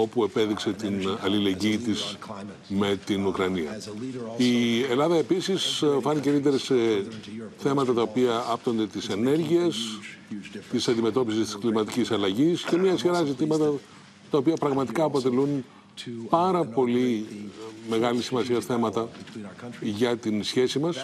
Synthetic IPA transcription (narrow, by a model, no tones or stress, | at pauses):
o̞pue̞pe̞ðikse̞t̪inɐlile̞ɲɟiːt̪is | me̞t̪inukɾɐniɐ̰ | ie̞lɐðɐe̞pisisfɐnicelit̪̬e̞ɾɐse | θe̞mɐt̪ɐt̪ɐo̞piɐɐpt̪o̞nd̪e̞t̪ise̞ne̞ɾʝie̞s | t̪isɐnd̪ime̞t̪o̞pisist̪i̥sklimɐt̪icisɐlɐʝisce̞mɲɐsçiɾɐzit̪imɐt̪ɐ | t̪ɐopiɐpɾɐɣmɐt̪ikɐːpo̞t̪e̞lun | pɐɾɐpo̞li | me̞ɣɐlisimɐsiɐsθe̞mɐt̪ɐ | ʝɐt̪insçe̞simɐs